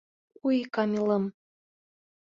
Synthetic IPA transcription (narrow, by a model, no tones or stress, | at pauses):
ujikɑmʲilɤm